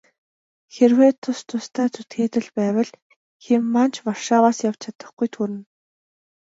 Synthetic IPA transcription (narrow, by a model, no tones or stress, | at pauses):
xerweːt̪ʰʊst̪ʰʊst̪ʰæːt͡sut̪ɡeːt̪ɘ̆ɮpæːwə̆ɮ | xemːant͡ɕparʃaːwaːsjaw̥t͡ɕʰat̪ə̆χɡujt̪ʰuɾɘ̆n